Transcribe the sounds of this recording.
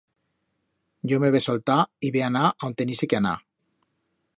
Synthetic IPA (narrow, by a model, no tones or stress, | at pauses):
ɟ͡ʝomeβesolt̪aiβeanaʔaont̪enisekeana̰